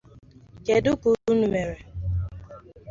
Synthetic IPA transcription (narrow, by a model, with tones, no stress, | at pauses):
ke˨dʊ˦ku˨u˦nu˨me˨ɾe˨